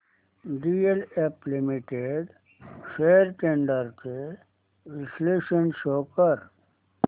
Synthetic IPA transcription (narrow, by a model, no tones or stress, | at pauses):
ɖiːeleplɪmɪʈeɖ | ʃeːɾʈẽːɳɖəɾke | ɾɪsleːʃənʃoːkəɾ